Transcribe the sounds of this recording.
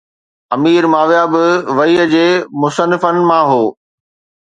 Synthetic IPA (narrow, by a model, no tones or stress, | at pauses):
ɐmiːɾmaːʋjaːbɪʋɐiːəd͡ʑeːmʊsənɪfənɪ̆mãɦoː